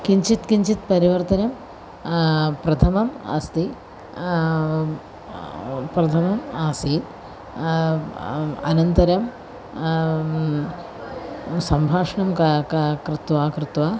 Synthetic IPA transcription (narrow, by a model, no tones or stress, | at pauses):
kiɲt͡ʃit̪kiɲt͡ʃit̪̚pɐɾiʋɐɾt̪ɐnɐm | pɾɐt̪ʰɐmɐmɐ̰st̪ʰi | pɾɐt̪ʰɐmɐmaːsiːn | ɐnɐnt̪ɐɾɐm | sɐmbʱaːʂɐɳɐmkkkɾɪt̪ʋaːkɾɪt̪ʋaː